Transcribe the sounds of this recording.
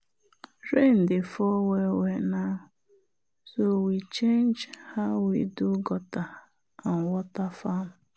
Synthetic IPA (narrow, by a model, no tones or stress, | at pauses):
ɾen̩dɪfɔwewena | sowit͡ʃend͡ʒhawiduɡɔta | aŋ̩wɔtafamʊ